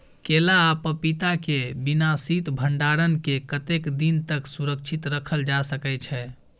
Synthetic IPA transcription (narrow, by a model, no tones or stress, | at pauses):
kelaːpəpit̪akebinasit̪bʱəɳɖaɾənkekət̪ekd̪int̪əksuɾək̚t͡ʃʰit̪ɾəkʰəld͡ʒasəkɛt͡ʃʰɛ